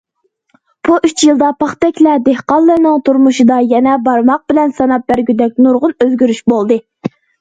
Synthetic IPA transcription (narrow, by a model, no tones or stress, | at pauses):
b̥uʔyt͡ʃʰjilˠd̪ɑpʰɑχt̪ɛkʲlɛd̪ehqɑlˠːɨɾnɨŋt̪ʰuɾmuʃɨd̪ɑjɛnɛbɑɾmɑq̚bɪlɛnsɑnɑp̚bæɾɡʲyd̪ɛk̚ʲnuɾʁʊnøzɡʲyɾyʃbolˠd̪ɨ